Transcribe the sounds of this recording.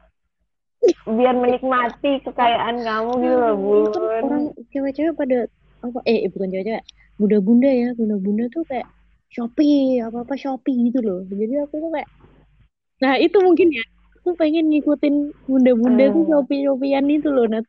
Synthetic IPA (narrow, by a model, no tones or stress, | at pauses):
biarmənik̚mat̪ikəkajaʔanŋamuɡit̪ulɔbuuoɾaŋt͡ʃawat͡ʃawapada | apaʔɛɛbukant͡ʃawat͡ʃawaʔ | ɡundaɡundajaɡundaɡundat̪ukajaʔ | ʃopiapaːpaʃopiɡit̪̬ulɔhd͡ʒadiakut̪ukajaʔ | ŋait̪umuŋkɪnja | akupeŋɪnŋikut̪ɪnɡundabundat̪uʃopiʃop̬ianit̪ulɔhnat̪